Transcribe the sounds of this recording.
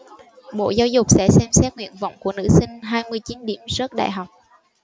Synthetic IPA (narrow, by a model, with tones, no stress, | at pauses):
ɓo̰˧˨zaː˧wzʊ˨˩k͡p̚sɛ̰˧˥sɛ˧msɛ˦˥t̚ŋwḭ˧˨ənvə̰˧˨wŋ͡mku˧˩ənɨ̰˧˥sï˧ŋ̟ɦaː˧jmɨ˧əjt͡ɕi˨˦nɗi˧˩əmzə˦˥t̚ɗa̰ː˧˨jɦa˨˩wk͡p̚